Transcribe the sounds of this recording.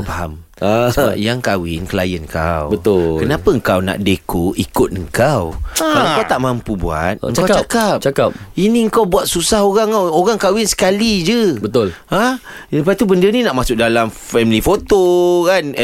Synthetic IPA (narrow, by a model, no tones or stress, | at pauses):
baɦa̰m | sba̰jaŋkawɪ̰nkəla̰jənka̰wbət̪ʊkənapəŋkawna̰ʔdekoʔikʊt̪̚əŋ̩kawaŋkawt̪aʔmãmpubua̰t̪̚əŋkawt͡ʃakap̚t͡ʃakap̚inĩəŋkawbuat̪̚susaɦoɣaŋoɣaŋkawɪnsə̥kalid͡ʒəbət̪ʊlhah | əpait̪ubəndənĩnaʔmasʊk̚dalam | fɛmlifot̪okan